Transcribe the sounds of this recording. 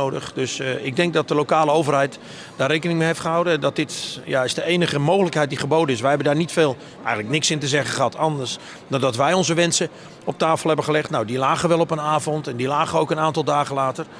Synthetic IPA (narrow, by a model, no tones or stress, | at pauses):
odəχdøsɪɡ̚dɛŋk̚dɔt̚dəlowkaːlˠəowvərɦɛjt | d̥aːrejkənɪŋmeɦeftχəɦawdədɔt̚dɪtjaɪzdəejnəχəmowɣələkhɛjt̚diχəbowdənɪsʋɛjɦɛbəndaːrnitfeːlˠ | ɛjənləknɪksɪntəzɛɣəχəɦɑtʰɑndərs | dɔndɔtʋɛjɔnzəʋɛnsə | ɔp̚taːfəlˠɦɛbəχəlɛχtnawdilaːɣənʋɛlˠɔpənaːvɔntɛndilaːχəowkənaːntɑlˠdaːɣəlaːtər